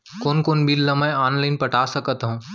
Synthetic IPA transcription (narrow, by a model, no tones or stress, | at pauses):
koːnkoːnbʱilːɐmɛ̃jaːnlaːɪnpɐʈaːsɐkət̪ɦũː